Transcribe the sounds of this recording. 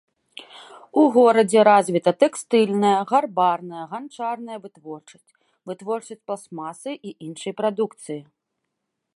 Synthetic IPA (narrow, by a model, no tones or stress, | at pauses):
uɣɔɾɐd͡zʲɛɾazʲvʲit̪ɐt̪ɛkst̪ɨlʲnɐjɐɣarbarnɐjɐɣant͡ʂarnɐjɐvɨt̪vɔrt͡ʂɐ̥sʲtʲt͡sʲ | vɨt̪vɔrt͡ʂɐsʲt͡sʲplˠsmasɨʔiʔinʂɨjpɾad̪ukt̪sɨji